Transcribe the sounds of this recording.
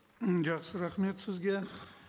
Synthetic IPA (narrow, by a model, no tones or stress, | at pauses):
d͡ʒɑχsɪɾaχme̞t̪sɪzɡʲe